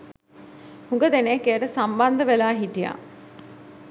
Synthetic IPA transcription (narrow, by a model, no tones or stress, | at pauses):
huŋɡəd̪enekeəʈəsamband̪əʋelaːɦitija̰